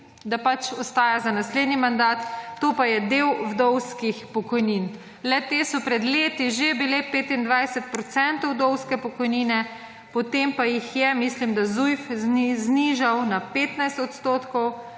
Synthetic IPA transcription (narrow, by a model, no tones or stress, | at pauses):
d̪apat͡ʃɔst̪aːjazanasleːd̪nimand̪aːt̪ːoːpajɛd̪ewvd̪ɔwskixpɔkɔjniːn | lɛt̪eːsɔpɾɛd̪leːt̪iʒebilepeːt̪ind̪ʋajsɛt̪̚pɾɔt̪sɛnt̪ɔwd̪ɔwskɛpɔkɔjniːnɛ | pɔt̪empajixjɛmislimd̪azujfzzniʒawnapeːt̪najst̪ɔt̪st̪oːt̪kɔw